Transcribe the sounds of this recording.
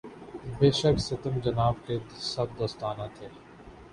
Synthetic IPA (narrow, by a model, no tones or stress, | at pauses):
beːʃəksɪt̪əmd͡ʒɐnaːb̚kesɐb̚d̪ɐst̪aːnat̪ʰeː